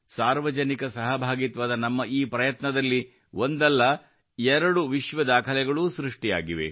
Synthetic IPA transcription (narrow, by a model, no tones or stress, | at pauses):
saːɾʋɐd͡ʒɐnikɐsɐɦɐbʱaːɡit̪ʋad̪ɐnɐmːɐʔiːpɾɐjɐt̪nɐd̪ɐlːi | ʔo̞nd̪ɐlːɐ | ɛɾɐɽuʋiʃʋɐd̪aːkʰɐlɛɡɐɭuːsɾiʂʈija̰ːɡiʋḛ